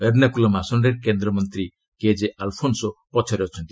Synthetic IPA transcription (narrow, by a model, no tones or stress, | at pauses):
eɾnakulɔmasɔnɖeɾkend̪ɾɔmɔnt̪ɾi | ked͡ʒeʔalpʰonsɔpɔt͡ʃʰɔɾɔt͡ʃʰɔnt̪i̥